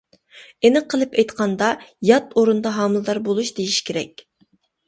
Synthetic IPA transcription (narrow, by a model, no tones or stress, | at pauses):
enɨqʰəlˠɨpɛjt̪qʰɑnd̪ɑjɑt̪oɾund̪ɑɦɑːmlˠd̪ɑɾbolˠuʃd̪ejiʃi̥kʲʰeɾɛ̰kʲ